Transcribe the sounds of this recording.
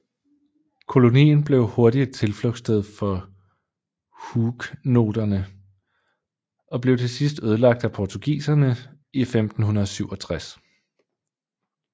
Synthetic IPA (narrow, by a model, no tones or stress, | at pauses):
kʰo̝lo̝nḭːn̩b̥le̝ʊho̝ɐdit͡sʰe̝lflɔɡ̥sd̥eð̞ˠfɒ̽ | huɡ̥no̝̰ːd̥ɐnə | ɒ̽b̥le̝ʊt͡sʰe̝sisd̥øð̞ˠəlɑ̈ɡ̥̚d̥æpʰɒt͡sʰuɡ̥ḭːsɐnə | ifemd̥n̩hunɐðˠsyʊ̰ɒ̽t͡sʰʁas